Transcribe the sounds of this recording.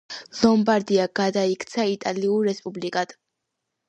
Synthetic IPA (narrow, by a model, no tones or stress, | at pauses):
lˠɔmbaɾd̪iaɡ̥ad̪aikʰt̪sʰait̪ʼaliuɾɾɛspʼublikʼad̪̥